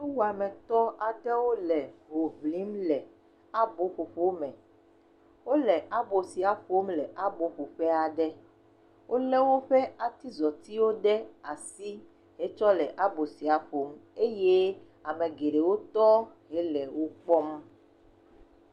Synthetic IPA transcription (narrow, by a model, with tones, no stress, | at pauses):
e˦wu˦a˨mɛ̃˨t̪ɔ˦a˨ɖɛ˦wo˦lɛ˨ɦo˨vli˨˦mlɛ˨ | a˦bo˦ɸo˨ɸo˦mɛ̃˨ | wo˦lɛ˨ʔa˦bo˨si˨a˨ɸo˦mlɛ˨ʔa˦bo˨ɸo˨ɸɛ˦a˨ɖɛ˦ | wʔo˦lɛ˦wo˦ɸɛ˦a˨t̪i˦zɔ˨t̪i˦wo˦ɖɛ˦a˨si˦ | ɦɛ˦t͡ʃɔ˦lɛ˨ʔa˦bo˨si˨a˨ɸo˦me˦je˦ | a˨mɛ̃˨ɡe˨ɖe˨wo˦t̪ɔ˦ɦɛ˦lɛ˨wo˦k͡pɔ˦m